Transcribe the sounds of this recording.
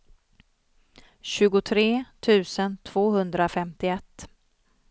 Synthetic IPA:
ɕʉ̟ːɡʊt̪ʰɾeːt̪ʰʉ̟ːsənt̪ʰv̥oːɦɵnd̪ɾafɛmt̪ɪɛt̪ː

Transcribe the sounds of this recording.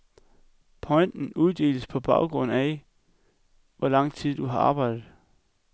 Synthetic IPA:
pʰɒ̽ɪnd̥n̩uð̞ˠd̥e̝̰ːləspʰɒ̽b̥ɑ̈ʊɡ̥ʁɔ̽n̰æ | ʋɒlɑ̈ŋ̰t͡sʰið̞̰ˠd̥uɦɑ̈ɑ̈ːb̥ɑ̈ɪd̥ð̩ˠ

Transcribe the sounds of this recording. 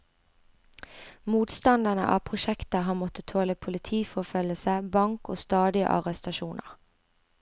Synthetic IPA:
muːt̪st̪ɑnd̪ənə̰ʔɑ̰ːpʰʁʊʃɛkt̪əɦɑːmɔt̪ət̪ʰoːləpʰʊlɪt̪ʰiːfɔfœləsəbɑŋko̰ːst̪ɑːd̪ɪə̰ʔɑ̰ʁɛst̪ɑʃuːnʔə̰ʁ

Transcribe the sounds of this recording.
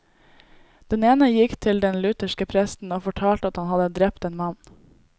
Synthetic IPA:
d̪̥ɛneːnəjɪkt̪ʰɪld̪ɛnlʉt̪əʃkəpʰɾɛst̪n̩oːfɔʈʰɑːlt̪əɑt̪hɑnhɑd̪əd̪ɾɛp̚t̪eːnmɑn

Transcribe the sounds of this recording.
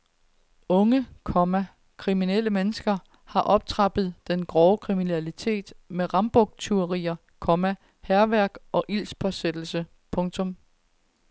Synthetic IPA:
ɔ̽ŋəkʰɒ̽mæ | kʰʁiminel̰əmenəsɡ̥ɐ | hɑ̈ʔɒ̽b̥̚t͡sʰʁɑ̈b̥ð̞̩ˠd̥enɡ̥ʁɒːʊkʰʁiminælit͡sʰe̝̰ːd̥meʁɑ̈mb̥ɔɡ̥̚t͡sʰyɐʁḭːɐ | kʰɒ̽mæ | hæɐʋæɐɡ̥ʔɒ̽ʔil̰spʰɒ̽sed̥l̩sə | pʰɔ̽ŋt͡sʰɔ̽m

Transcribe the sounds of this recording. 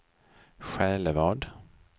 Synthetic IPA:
ɧɛːləvɑːɖ

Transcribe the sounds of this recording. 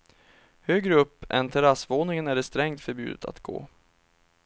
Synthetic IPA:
høːɡɾəɵpːʔɛ̰nt̪ʰɛɾasvoːnɪŋənæɖɛst̪ɾɛŋt̪fœɾbjʉ̟ːd̪ə̰t̪ʰa̰t̪ɡ̥o̰ː

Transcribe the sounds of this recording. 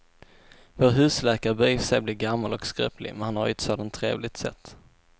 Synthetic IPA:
voːɾɦʉ̟ːslɛːkaɾəbiːfsɛjblɪːɡamːalɔkskɾœ̰ːplɪ̰mɛnhanhaɾjʏt̪soːd̪ant̪ʰːɾḛːvlɪt̪sɛ̰t̪ː

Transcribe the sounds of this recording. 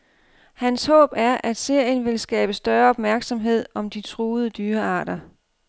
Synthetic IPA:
hænshɔ̰̽ːb̥æɐʔæd̥se̝ɐ̰jənʋe̝lsɡ̥ɛ̰ːb̥əsd̥ɶɐɒ̽b̥mæɐɡ̥sɒ̽mɦe̝ð̰ˠɒ̽md̥it͡sʰʁuːð̞̩ˠəd̥yːɐɑ̈ːd̥ɐ

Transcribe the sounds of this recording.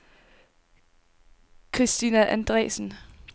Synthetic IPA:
kʰʁisd̥inæʔænd̥ʁɛ̰ːsn̩

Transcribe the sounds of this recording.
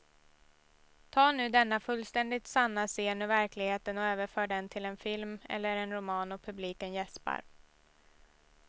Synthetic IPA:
t̪ʰɑːnʉ̟ːd̪ɛnːafɵlːst̪ɛnd̪ɪt̪sanːaseːnɵvæɾklɪɡheːt̪ənɔøːvəɾfœːɖɛnt̪ʰɪlɛnfɪlmɛ̰lːəɾɛnɾʊmɑːnɔpʰɵbliːkənjɛspa̰ɾ

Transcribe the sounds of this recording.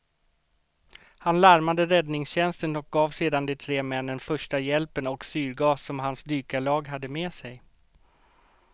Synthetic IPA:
hanlæɾmad̪əɾɛd̪nɪŋsɕɛnst̪ənɔk̚ɡɑːvseːd̪and̪ɛt̪ʰɾeːmɛnːənfœʂʈajɛlpənɔksyːɾɡɑːsːɔmɦansd̪yːkalɑːɡɦad̪ːəmeːsɛj

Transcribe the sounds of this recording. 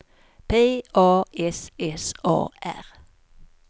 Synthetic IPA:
pʰeːʔɑːʔɛsɛsɑ̰ːʔæ̰ʁ

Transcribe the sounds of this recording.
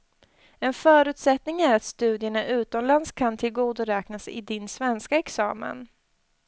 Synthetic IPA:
ɛnfœːɾʉ̟ːt̪sɛt̪nɪŋæɾat̪st̪ʉ̟ːd̪ɪəɳaʔʉ̟ːt̪ɔmlanskʰant̪ʰɪlɡuːd̪ʊɾɛːknasɪ̰d̪ɪnsvɛnskaɛksɑːmə̰n

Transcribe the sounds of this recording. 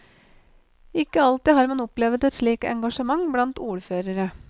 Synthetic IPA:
ɪkːəɑlt̪ɪɦɑːɾmɑnɔplɛʋət̪ɛt̪ʂɭiːkɛ̰ŋɡɑʂəmɑŋblɑnt̪uːɾføːɾəɾə

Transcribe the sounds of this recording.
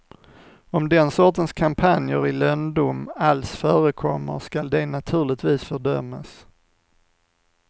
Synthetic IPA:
ɔmd̪ɛnsɔʈənskʰampʰanjəɾɪlœnd̪umalsfœːɾəkʰɔmːə̰ɾʂkald̪ɛnat̪ʰʉ̟ːɭɪt̪viːsfœɖœ̰mːas

